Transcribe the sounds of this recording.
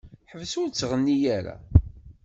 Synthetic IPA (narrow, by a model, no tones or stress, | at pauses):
ħəvsʊɾt͡sːʁənːijæɾæ̰